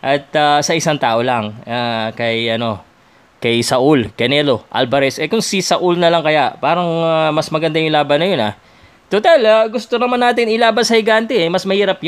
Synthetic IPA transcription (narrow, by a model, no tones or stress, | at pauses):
ʔɐt̪̚asɐʔɪsaŋt̪aːʔolɐŋakɐjʔɐno̞ | kɐjsɐʔulkɐnɛlo̞ʔa̰lbɐɾɛsʔɛkʊŋsisɐʔulnɐlɐŋkɐjaʔpaːɾɐŋamɐsmɐɡɐnd̪ajʊŋlaːbɐnːɐjo̞na̰ | t̪ot̪alaɡʊst̪o̞nɐmanːaːt̪ɪnɪlaːbɐnsɐhɪɡant̪ɛɛmɐsmɐhiːɾɐp̚j